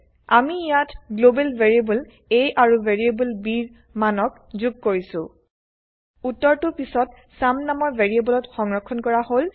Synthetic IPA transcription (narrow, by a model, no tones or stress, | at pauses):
amiijatɡlobɛlveɹiebul | ejʔaɹuveɹiebulbiɹ | manɔk̚ | zuɡ̚koɹisʊ̃ | utːɔɹtʊpisɔt̚ | samnamɔɹveɹiebɔlɔtxɔŋɹɔkʰːɔnkɔɹahol